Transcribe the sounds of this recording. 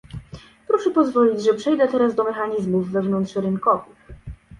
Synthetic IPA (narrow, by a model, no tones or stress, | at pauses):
pɾɔʂɛpɔzvɔlʲid͡ʑʐɛpʂɛjd̪ɛt̪ɛɾazd̪ɔmɛxaɲizmuvːɛvnɔnt̪ʂɾɘnkɔvɘx